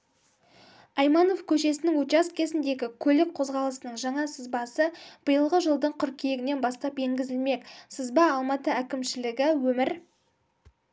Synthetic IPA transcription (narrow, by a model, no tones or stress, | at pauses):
ɑjmɑno̞fkʲʰɵʃe̞sɪnɪŋwɵt̪t͡ʃast̪̚kʲʰe̞zɪnd̪e̞ɡʲɪkʲʰɵlɪk̚qʰo̞zʁɑlˠəsənəɴʒɑɴɑsəzbɑsəb̥əjəlˠʁəʒəlˠd̪əɴqʰʏɾkʲʰejeɡʲɪne̞nbɑst̪ɑpeŋɡʲɪzɪlme̞ksəzbɑːlˠmɑt̪əækʲɪmʃɪlɪɡʲɪwɵmɪɾ